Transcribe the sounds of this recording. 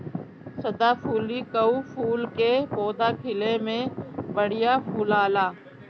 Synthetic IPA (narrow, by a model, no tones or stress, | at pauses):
səd̪aːpʰuːliːkəuːfʰuːlkepoːd̪aːkʰɪlemẽbəɽɪjaːfʰuːlaːlaː